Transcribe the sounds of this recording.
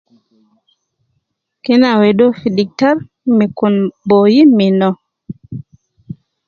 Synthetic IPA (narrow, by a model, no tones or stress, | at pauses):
kinawedofidik̚taɾ | mikunbojiminɔ